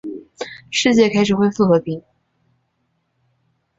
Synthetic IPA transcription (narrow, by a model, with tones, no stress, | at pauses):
ʂɻ̩˥˧t͡ɕjɛ˥˩kʰa˥ɪʂɻ̩˨˩xwe˥˧ɪfu˥˩xɤ˧˥pi˧˥ŋ